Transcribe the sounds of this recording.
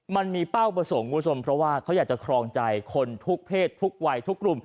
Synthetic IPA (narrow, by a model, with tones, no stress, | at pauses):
ma˧nmiː˧pa˥˩wpɾa˧so˩˦ŋku˧˦˥t͡ɕʰo˧mpʰɾɔ˦˥waː˥˩kʰa˦˥wjaː˨˩k̚t͡ɕa˨˩kʰɾɔː˧ŋt͡ɕa˧jkʰo˧nt̪ʰu˦˥k̚pʰeː˥˩t̪ʰːu˦˥k̚wa˧jt̪ʰu˦˥kːɾu˨˩m